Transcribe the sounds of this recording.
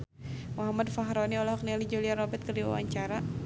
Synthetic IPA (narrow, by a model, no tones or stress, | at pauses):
mɔɦamadfaɦɾɔniɔlahɦɔk̚nɛlid͡ʒuliaɾɔbɛt̪̚kədiwa̰wa̰ɲt͡ʃaɾa